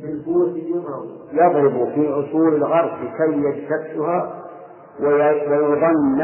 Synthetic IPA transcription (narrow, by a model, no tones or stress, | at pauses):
bilkʊwasɪjːama | jɑðˤɾɪbʊfiʔʊsˤuːlalɣɑɾˤblɪkajːaʃt̪akːʊha | wwajʊðˤɑnː